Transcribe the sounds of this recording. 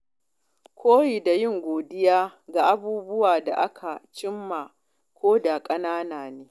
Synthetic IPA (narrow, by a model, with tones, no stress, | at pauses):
kʷʰoː˦ji˨da˨jɪ˦˨ŋɡʷoː˨dɪ˦jaː˦ɡa˨ʔa˦buː˦bʊ˦waː˨da̰˨ʔa˦kʰa˨t͡ʃɪ˦mːa˨ | kʷoː˦da˨kʼɐ˦naː˦naː˨neː˦